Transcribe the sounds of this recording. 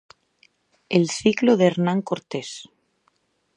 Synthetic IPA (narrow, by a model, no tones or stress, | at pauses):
elθikloðeɾnãŋkoɾt̪es